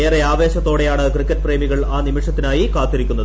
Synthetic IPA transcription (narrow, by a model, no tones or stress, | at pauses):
eːreaːʋe̞ːɕɐt̪ːo̞ːɽe̞jaːɳɨkrikːɐt̚ːpre̞ːmiɣɐɭaːnimiʂɐt̪ːinaːjikaːt̪ːiɾikʲːunːɐðɨ